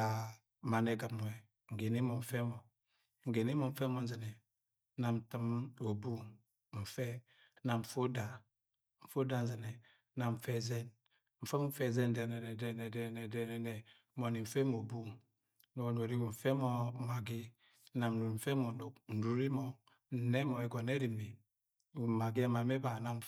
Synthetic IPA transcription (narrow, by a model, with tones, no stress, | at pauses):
a˨ | ma˨nɛ˨˦ɡa˨m˨ɛ˨ | ŋ̩˨ɡe˨ni˦mɔ˨ɱ̩˨fɛ˦mɔ˨ | ŋ̩˨ɡe˨ne˦mɔ˨ɱ̩˦fɛ˦mɔ˨n̩˦zɛ˨nɛ˨˦ | na˨m̩˨tə˦mo˨bu˦ | m̩˨fɛ˦ | na˨ɱ̩˨fo˦da˨ | ɱ̩˨fo˦da˦n̩˦zɛ˨nɛ˨˦ | na˨ɱ̩˨fɛ˦zɛ˦n | ɱ̩˨fe˦m̩˦fɛ˦˨zɛ˦n̩˦de˨nɛ˨nɛ˨dɛ˦˨ne˨dɛ˦n˨ne˨dɛ˦˨nɛ˨ne˨˦ | mo˨ni˨ɱ̩˨fe˦mo˨bu˦ | no˨no˨ɾi˦wu˨ɱ̩˨fɛ˦mɔ˨˦ma˨ɡi˦ | a˨m˨u˨ɾm̩˨fɛ˦mɔ˨o˨kn̩˨˦ɾu˨ɾi˦mɔ˨ | n̩˨ne˦mɔ˨e˨ɡɔ˨ne˦ɾi˨mi˨ | ma˨ɡi˦a˦ma˨me˦ba˨na˦m̩˨